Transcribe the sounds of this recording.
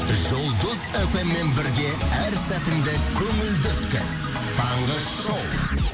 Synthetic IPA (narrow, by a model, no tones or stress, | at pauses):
ʒolˠd̪əze̞fe̞mːe̞nbɪɾɡʲe̞æɾsæt̪ɪmd̪ɪkʲʰɵŋɪld̪et̪kʲɪ̰s | t̪ʰɑɴʁə | ʃow̪ˠ